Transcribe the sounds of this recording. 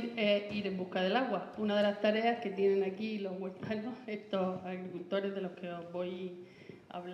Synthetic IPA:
ɾeiɾe̞mbuhkað̞e̞laɣwaunaðe̞last̪aɾe̞ahke̞t̪je̞nẽ̞nakilo̞ɦɣwe̞lt̪ano̞he̞t̪o̞saɣɾikult̪o̞ɾe̞zðe̞lo̞hke̞o̞zβo̞j | a̰βl

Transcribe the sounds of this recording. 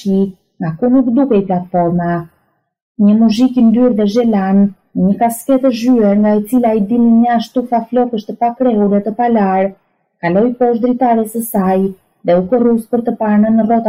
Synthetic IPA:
i | ŋɡakunukd̪ukɛjplat̪fɔɾma | ɲəmuzikind̪yɾðɛʒɛlan | nəɲəkaskɛt̪əʒyɛɾŋɡaɛt͡silaid̪iliɲəaʃt̪ufaflɔkəʃt̪əpakɾɛɦuɾɛt̪əpalaɾ | kalɔjpɔʃd̪ɾit̪aɾɛsəsaj | ðɛukəruspəɾt̪əpaɾnənərɔt̪a

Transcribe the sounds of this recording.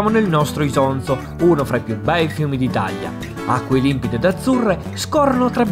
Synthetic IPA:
monelnɔst̪ɾoizɔnt̪so | uːnofɾaipjubɛjfjuːmid̪it̪a̰ʎːa̰ | a̰kːwelimpid̪ed̪ad̪zːurːe | skɔrːonot̪ɾa

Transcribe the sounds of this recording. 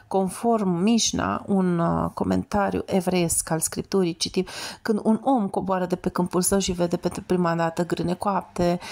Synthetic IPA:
ko̞nfo̞rmːiʃna̰unko̞me̞̰nt̪aɾjṵʔe̞vɾeeskalskɾip̚t̪uɾijt͡ʃit̪imkɨnd̪uno̞mko̞boaɾəd̪e̞pe̞kɨmpulsəwʃive̞d̪e̞pent̪ɾupɾimad̪at̪əɡɾɨne̞koap̚t̪e̞

